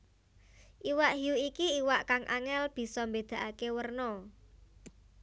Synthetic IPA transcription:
ʔiwaʔɦjuikiiwaʔkaŋʔa̰ŋɛlb̥i̤sɔmbed̪̥a̤ʔakewərnɔ

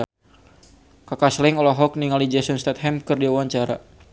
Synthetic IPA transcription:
kakaslɪŋɔlɔɦɔk̚niŋalid͡ʒɛsɔnst̪ɛt̪̚hɛmkɨrdiawaɲt͡ʃaɾa

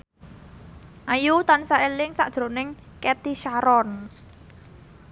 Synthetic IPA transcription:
ʔajut̪ansaelɪŋsa̰ʔd̥ʒ̥ɾonɪŋ | kɛt̪iʃaɾɔn

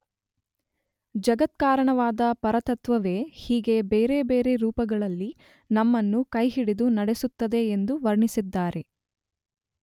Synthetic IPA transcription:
d͡ʒɐɡɐt̪̚kaːɾɐɳɐʋaːd̪ɐpɐɾɐt̪ɐt̪ʋɐʋe̞ːhiːɡe̞beːɾe̞beːɾe̞ɾuːpɐɡɐɭɐlːi | nɐmːɐnːukɐjɦiɽid̪unɐɽe̞sut̪ːɐd̪e̞ːnd̪uʋɐɾɳisid̪ːaːɾe̞

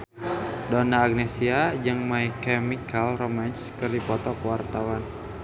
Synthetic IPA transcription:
dɔnaːɡ̚nɛsiad͡ʒəŋmaikɛmikalromanskɨrdipɔt̪ɔkwart̪awan

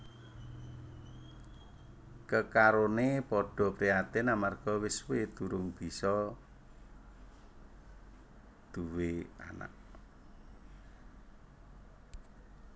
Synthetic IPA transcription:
kəkaɾonepɔɖ̥ɔ̤pɾiat̪ɪnamarɡ̥ɔ̤wɪswet̪uɾʊŋb̥i̤sɔ | d̪̥ṳwea̰na̰ʔ

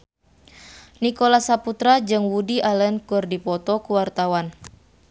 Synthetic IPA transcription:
nikɔlasaput̪ɾad͡ʒɨŋwudiʔalənkɨrdipɔt̪ɔkuwart̪awan

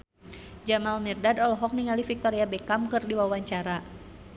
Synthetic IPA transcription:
d͡ʒamalmɛrdadɔlɔɦɔk̚niŋalifik̚t̪ɔɾiabɛkamkɨrdiwawaɲt͡ʃaɾa

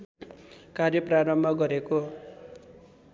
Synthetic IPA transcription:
karjʌpraɾʌmbʱʌɡʌɾeko

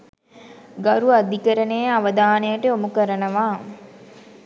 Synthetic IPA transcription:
ɡaɾuɐd̪ikəɾəneːaʋəd̪aːnejəʈəomukəɾənəʋaː

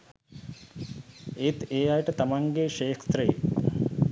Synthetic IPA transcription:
et̪eːajʈət̪amaŋɡeʃeːkʰt̪ɾəjḛ

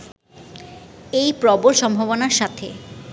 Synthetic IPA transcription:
ejpɾɔboɾʃɔmbʱoβonaɾʃat̪ʰe

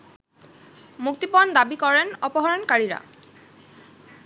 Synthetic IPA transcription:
muk̚t̪ipɔnd̪abikɔɹenɔpɔɦɔɹɔnkaɹiɹa̰

